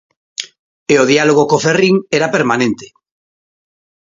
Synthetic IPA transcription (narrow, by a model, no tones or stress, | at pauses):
eoðialoɣ̞okoferiŋeɾapeɾmanẽnt̪e̥